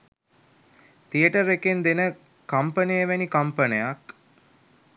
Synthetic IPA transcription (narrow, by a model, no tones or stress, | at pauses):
t̪ijəʈəɾekend̪enə | kɐmpənejəʋænikɐmpənejak